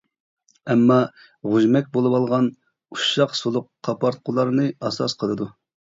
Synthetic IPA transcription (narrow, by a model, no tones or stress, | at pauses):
ɛmːɑ | ʁuʒmɛk̚ʲbolˠɨwɑlˠʁɑn | uʃɑqsolˠʊqʰːɑpʰɑɾt̪̚qʰʊlˠɑɾnɨɑsɑ̰sqʰəlˠɨd̪u